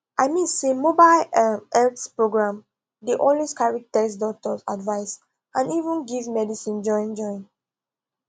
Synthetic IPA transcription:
aɪmĩnsemobaɪlɛtpɹoɡɹãm | deʔɔ̃nweskaɹitɛsdɔk̚tɔsa̰dvaɪs | ãnivə̃nɡivzmɛdisĩnd͡ʒɔ̃ɪ̃nd͡ʒɔ̃ɪ̃n

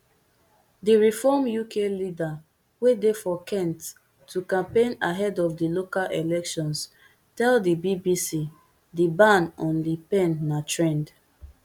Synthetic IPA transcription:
diɹifɔmjukʰelida | wedefɔkʰɛ̃ntʰː | ukãmpẽnaɦɛdɔfdilokalʔelɛkʃɔ̃ns | tɛldibibisi | dibãnɔ̃nlipɛ̃nːatɹɛ̃nd

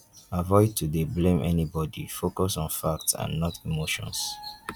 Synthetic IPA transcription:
avɔɪtʰudeblẽmʔɛnibɔdifokɔsɔ̃nfak̚tsã̰nːɔtʰimoʃɔ̰̃ns

